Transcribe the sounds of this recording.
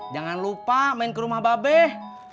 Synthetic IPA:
d͡ʒaŋanlupamainkəɾumahbabɛh

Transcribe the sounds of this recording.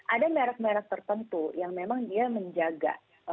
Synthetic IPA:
ʔadameɾak̚meɾak̚t̪ərt̪ənt̪ujaŋmemaŋdiaməɲd͡ʒaɡa̰

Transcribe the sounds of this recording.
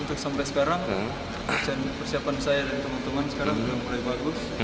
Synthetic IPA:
unt̪ʊk̚sampasə̥kaɾaŋ | t͡ʃanpərsiapansajadant̪əmənt̪əŋansə̥kaɾaŋdəlaŋbulajbaɡʊs

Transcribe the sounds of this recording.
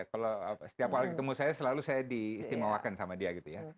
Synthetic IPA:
kaloasə̥t̪iaphalkət̪əmusajasəlalusajadiːst̪imawakansamadiaɡit̪uja

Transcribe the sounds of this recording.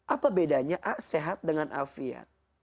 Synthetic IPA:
ʔapabedaɲaʔaʔseɦat̪̚dəŋanʔa̰fia̰t̪̚

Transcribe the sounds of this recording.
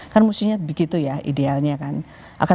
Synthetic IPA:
karnmusiɲabiɡit̪ujaḭdealɲakan | ʔa̰ka

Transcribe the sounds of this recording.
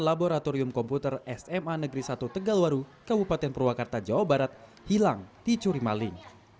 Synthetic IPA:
laboɾat̪ɔɾiʊmkɔmput̪ərɛsɛmanəɡɾisat̪ut̪əɡalwaɾukəbupat̪ɛnpərwakart̪ad͡ʒawabaɾat̪̚ | hilaŋt̪it͡ʃuɾimalɪn

